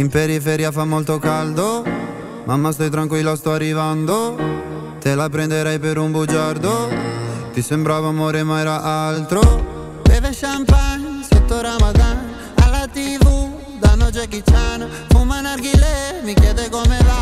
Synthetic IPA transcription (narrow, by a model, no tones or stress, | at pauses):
impeɾifeɾiːafamːɔlt̪okald̪o | mamːast̪ɔjt̪ɾaŋkwilːast̪ɔarːivand̪o | t̪elapɾɛnd̪eɾɛjpeɾumbud͡ʒaɾd̪o | t̪isembɾaːvamoːɾemaɛːɾaʔalt̪ɾo | b̪ɛveʃampaɲset̪ːoɾamad̪an | alːat̪ivu | d̪anod͡ʒekit͡ʃːana | fumːanaɾɡilɛmikjɛːd̪ekomela